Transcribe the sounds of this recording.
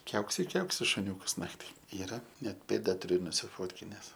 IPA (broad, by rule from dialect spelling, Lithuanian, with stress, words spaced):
ˈkʲɛʊksʲɪ ɪ ˈkʲɛʊksʲɪ ʃʊˈnʲuːkɐs ˈnɑːktʲɪ ˈiːrɐ ˈnʲɛt ˈpʲeːdɐ tʊˈrʲʊ nʊsʲɪˈfoːtʲkʲɪnʲɛs